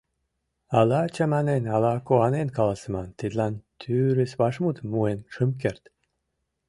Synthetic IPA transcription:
ɑlɑt͡ɕɑmɑnenɑlɑkoɑnenkɑlɑsə̆mɑnt̪id̪lɑnt̪ʰyɾisβɑʃmut̪muenʃɨmkert̪

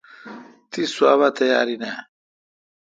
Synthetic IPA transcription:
t̪iswa̰ːβat̪ʰɐja̰ːɾina

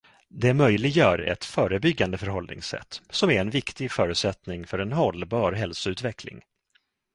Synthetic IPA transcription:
d̪ɛmœjlɪɡjœːɾɛ̰t̪fœːɾəbʏɡːand̪əfœɾɦɔlnɪ̰ŋsɛ̰t̪ːsɔmæɾɛnvɪkt̪ɪɡfœːɾɵʉ̟t̪sɛt̪nɪŋfœɾɛnɦɔlbɑːɾɦɛlsʊʉ̟ːt̪vɛkʰlɪ̰ŋ

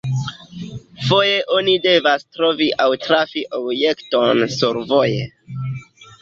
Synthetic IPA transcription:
fo̞je̞ʔo̞nide̞vastɾo̞viʔawtɾafiʔobje̞kto̞nsuɾvo̞je

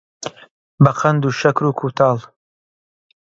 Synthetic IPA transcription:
bɐqʰɐnd̪uːʃɐkɾuːkʰut̪ʰɑːlˠ

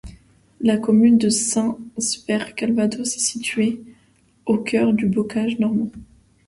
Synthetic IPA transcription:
lakɔmynd̪əsɛ̃spɛʁkalvad̪osɛ̥sit̪ɥe | okʰœʁd̪ybɔkaʒnɔʁmɑ̃

